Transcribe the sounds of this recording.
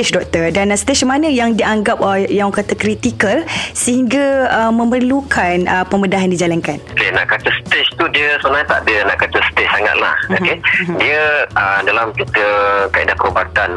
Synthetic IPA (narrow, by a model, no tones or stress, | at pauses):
et͡ʃdɔk̚t̪ədanst̪et͡ʃmanə̃jaŋdiaŋɡapəjaŋkat̪akɾit̪ikəlsəhiŋɡaəmə̃mərlukʰanəpəmədaɦandid͡ʒalankanokena̰ʔkat̪əsət̪et͡ʃt̪udiəsəmənãɲt̪a̰ʔdənaʔkat̪əst̪et͡ʃsaŋa̰t̪̚la̰hokediəədalamkit̪əkaḭdahkəobat̪an